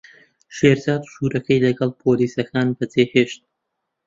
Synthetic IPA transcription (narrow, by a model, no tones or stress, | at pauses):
ʃeːɾzaːd̪u̥ʃuɾɐkʰɐjlɐɡɐlˠpʰoliːsɐkʰaːnbɐdeːheːʃt̪̚